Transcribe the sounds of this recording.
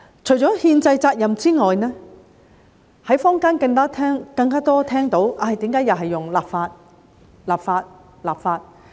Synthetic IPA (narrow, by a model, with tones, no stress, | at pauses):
t͡ʃʰɵ˨˩ɥt͡ʃɔː˨˥hiː˧nt͡sɐ˧jt͡saː˧k̚jɐ˨˩mt͡siː˥ŋɔː˨jnɛː˥ | hɐ˨˥jfɔː˥ŋkaː˥nkɐ˧ŋkaː˥t̪ʰɛː˥ŋkɐ˧ŋkaː˥t̪ɔː˥t̪ʰɛː˥ŋt̪o˨˥wʔaː˧˩jt̪iː˨˥mkaː˨˧˥jɐ˨wɦɐ˨jːʊ˨˩ŋlaː˨p̚faː˧t̚ | laː˨p̚faː˧t̚ | laː˨pfaː˧t̚